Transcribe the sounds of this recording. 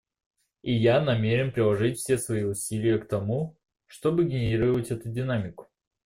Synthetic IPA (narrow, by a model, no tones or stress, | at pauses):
ijanɐmʲeɾʲɪnpɾʲɪlˠɐʐɨtʲfsʲesvɐiʊsʲilʲɪjəkt̪ɐmu | ʂt̪o̞bɨɡʲɪnʲɪɾʲiɾəvətʲɛt̪ʊdʲɪnamʲɪkʊ̥